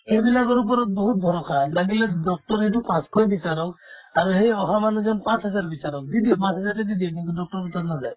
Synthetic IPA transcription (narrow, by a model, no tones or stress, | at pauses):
hejbilakɔɾupɔɾɔt̪̚bɔɦut̪̚bʱɔɾɔkʰalaɡiledɔk̚ʈɔɾeʈupãskɔbisaɾɔkaɾuhejɔɦamanud͡ʒɔnpãsɦɔzaɾbisaɾɔk̚d̪id̪ipãsɦɛzaɾʈed̪id̪iɔkint̪udɔk̚ʈɔɾɔt̪at̪nazaj